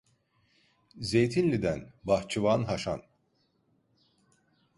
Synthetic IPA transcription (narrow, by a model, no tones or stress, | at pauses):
zejt̪ʰinlʲid̪ænbaht͡ʃʰɯvaːnɦaʃa̰n